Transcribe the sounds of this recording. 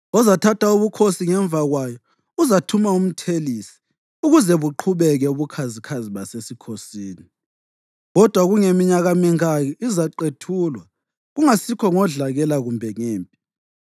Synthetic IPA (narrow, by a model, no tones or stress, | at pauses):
ɔzatʰatʰauβukʰosiŋɛɱb̪vʱaɣwajɔ | uzatʰumaum̩tʰelisi̥ | uɣuzɛβuǃʰuβɛɣɛuβukʰazikʰaziβasesikʰosiːni | ɣɔd̥ʱwaɣuŋemiɲaɣamiŋajɔizaǃetʰuːlwa | ɣuŋasikʰɔŋɔɮaɣɛlaɣumbʱɛŋeːmpʼi